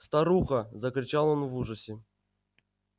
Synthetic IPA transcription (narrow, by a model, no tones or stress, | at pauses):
st̪aɾuxɐzɐkɾʲɪt͡ɕalˠonvuʐəsʲɪ